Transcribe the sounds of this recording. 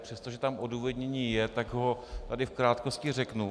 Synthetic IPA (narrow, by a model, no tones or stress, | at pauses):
pr̝̥ɛst̪o̞ʒɛt̪amʔoduːvɛd̪ɲɛɲiːjɛt̪aɡɦo̞t̪adɪfkɾaːt̪ko̞scɪrɛknu